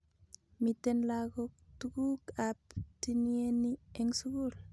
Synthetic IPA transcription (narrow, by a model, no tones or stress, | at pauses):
mitɛnlakɔk̚tuɡukap̚tinieniɛŋsuɡul